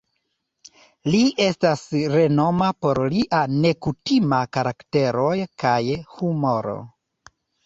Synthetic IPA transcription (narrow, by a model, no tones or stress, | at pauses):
liʔe̞stasɾe̞no̞mapo̞ɾliʔane̞kutimakaɾakte̞ɾo̞jkajhumo̞ɾo̞̰